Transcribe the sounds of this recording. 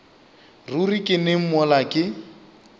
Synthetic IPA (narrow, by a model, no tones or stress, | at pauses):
rurikʼɪnɪm̩mɔlakʼɪ